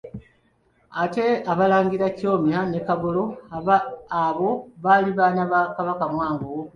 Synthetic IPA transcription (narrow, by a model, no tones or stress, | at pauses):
ate̞aβalaːŋɡiɾaco̞ːmjanekaβolo̞ | aβo̞βaliβaːnaβakaβakamwaːŋɡo